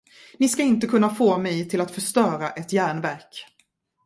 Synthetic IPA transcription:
nɪskaɪnt̪əkʰɵnːafoːmɛjt̪ʰɪlat̪fœʂt̪œːɾaʔɛt̪jæːɳvæɾk

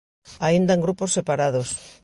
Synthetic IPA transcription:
aind̪aeŋɡɾuposːepaɾaðos

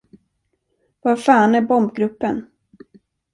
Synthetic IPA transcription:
vafaːnæɾbɔmbɡɾɵpːən

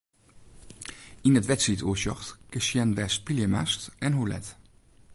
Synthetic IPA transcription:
inətʋɛtsituːʃɔχtkəʃjɛnʋɛs̚piljəma̰stɛnɦulɛ̰t

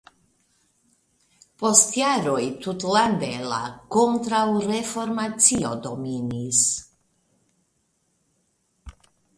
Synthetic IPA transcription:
post̪jaɾojt̪ut̪land̪ela̰kont̪ɾawɾefoɾmat͡siod̪ominis

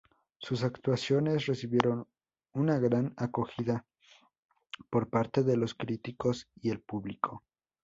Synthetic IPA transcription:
sus̬akt̪wasjo̞ne̞sre̞siβje̞ɾo̞n | unaɣɾanako̞xiða | po̞ɾpaɾt̪e̞ðe̞lo̞skɾit̪iko̞sie̞lpuβlikʰo̞

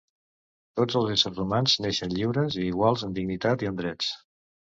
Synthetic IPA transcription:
t̪od͡zəlˠzɛsəɾzrumanzneʃənʎiwɾəziːɣ̞walˠzənd̪iɡnit̪at̪iənd̪ɾɛt͡s

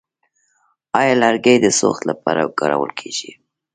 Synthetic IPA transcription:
ɑjɑlaɾɡajd̪əso̰xt̪lapɑɾakɑɾa̰wəlkʰeʒ̥i

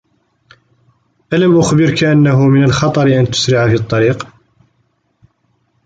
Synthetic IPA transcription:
ʔalamʔʊxbɪɾkaʔanːaɦʊmɪnəlxɑt̪ˤɑɾʔænt̪ʊ̥sɾɪʕafit̪ˤːɑɾiːq

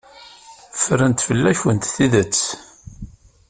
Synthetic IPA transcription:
fəɾənt̪fəlːæçwənt̪θiðət͡sː

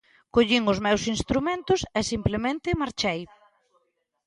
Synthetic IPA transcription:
koʎiŋʊzmɛwsinst̪ɾumẽnt̪ʊsɛsimplemẽnt̪ɪmaɾt͡ʃɛj

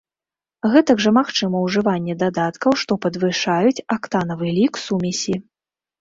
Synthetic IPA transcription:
ɣɛt̪ɐɡʐɐmaxt͡ʂɨmɐwʐɨvanʲːɛd̪ad̪at̪kɐwʂt̪ɔpɐd̪vɨʂajut͡sʲakt̪anɐvɨlʲiksumʲisʲi

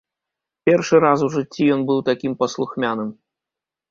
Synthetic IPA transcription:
pʲɛrʂɨɾas̬uʐɨt͡sʲːijɔnbɨwt̪akʲimpɐslˠuxmʲanɨm

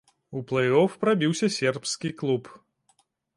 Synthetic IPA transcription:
uplˠɐjɔfpɾabʲiwsʲɐsʲɛrpskʲiklˠup

